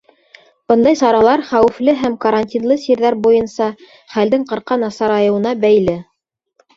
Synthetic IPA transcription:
b̥ɤnd̪ɑjsɑɾɑlˠɑɾχæwɘ̆flɘɦæmkɐɾanʲtʲinlˠɤsiɾðæɾbujɤnsɑ | χæld̪ɘŋqɤ̆ɾqɑnɑsɑɾɑjɤ̆wɤ̆nɑbæjlɘ

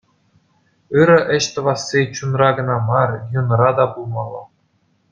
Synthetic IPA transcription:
ɯɾɘ̆ʔɘ̆ɕt̪ɤ̆ʋɑsːit͡ɕunrɑɡɤ̆nɑmɑrjŭn̆ɾɑd̪ɑbulˠmɑlˠɤ̰̆

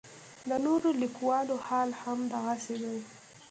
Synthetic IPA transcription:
d̪ənoɾolikwɑlohɑlhamd̪aɣased̪aj

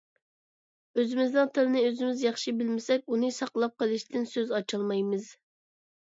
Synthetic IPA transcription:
øzɪmɪznɨŋt̪ʰɨɾɨnɨøzɪmɪzjɑχʃibɪlmɪsɛk̚ʲunɨsɑqlˠɑp̚qəlˠɨʃt̪ɪnsøzɑt͡ʃʰɑlˠmɑjmɨz̥

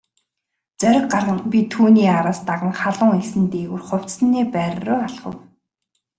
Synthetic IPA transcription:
t͡sœɾʲɪ̆kɢarʁə̆mpit̪ʰːuːniːaɾaːst̪aʁə̆ŋχaɮʊːŋesɘ̆nt̪eːɣŭrχʊw̥ʲt͡ssniːpæːr̆rʊːaɮχə̰̆w

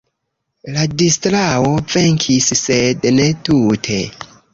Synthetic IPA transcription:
ladistɾawo̞ve̞ŋkʰissedne̞tutʰe̞

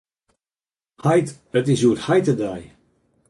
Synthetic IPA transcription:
hajt | ətɪsjuəthajtədaj

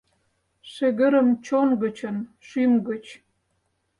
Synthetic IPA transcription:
ʃeɣə̆ɾə̆mt͡ɕonɡə̆t͡ɕə̆nʃymɡə̆t͡ɕ

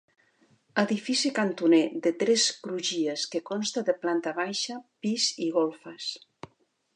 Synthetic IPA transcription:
əðifisikant̪uned̪et̪ɾɛskɾuʒieskekonst̪aðəplant̪aβajʃapiziɣolˠfəs

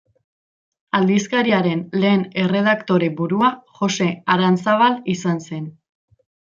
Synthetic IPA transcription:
ald̪iskaɾiaɾe̞nle̞ːne̞re̞ð̞akt̪o̞ɾebuɾuaxo̞se̞aɾansaβalisanse̞n

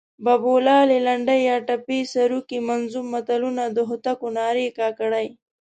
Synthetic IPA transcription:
babolɑlelaɳɖajjɑʈapesaɾukimanzummːat̪alunad̪əɦʊt̪akonɑːɾekɑkaɽaj

